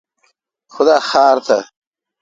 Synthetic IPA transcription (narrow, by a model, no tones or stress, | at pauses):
xʊd̪aːxaːɾt̪ʰɐ